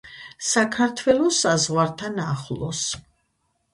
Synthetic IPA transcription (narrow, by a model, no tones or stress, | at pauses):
sakʰaɾt̪ʰwɛlˠɔsazʁwaɾt̪ʰanaχlˠɔs